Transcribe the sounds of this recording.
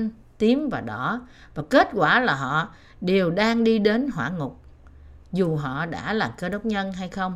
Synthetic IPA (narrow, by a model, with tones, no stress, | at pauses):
n | t̪i˨˦əmvaː˨˩ɗɔ˧˩˦ | vaː˨˩ke˦˥t̚kwaː˧˩laː˨˩ɦɔ̰˧˨ | ɗe˨˩əwɗaː˧ŋɗi˧ɗe˨˦nɦwaː˧˩ŋʊ˨˩k͡p̚ | zu˨˩ɦɔ̰˧˨ɗa̰ː˧˥laː˨˩mkə˧ɗə˦˥wk͡p̚ɲə˧nɦa˧jxə˧wŋ͡m